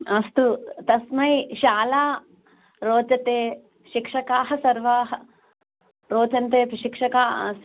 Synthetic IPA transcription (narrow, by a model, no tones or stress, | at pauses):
ɐst̪ut̪ɐsmɐjʃaːlaː | ɾoːt͡ʃɐt̪eː | ʃikʂɐkaːɦɐsɐɾʋaːɦɐ | ɾoːt͡ʃɐnt̪eːpɐʃikʂɐkaːɐ̰s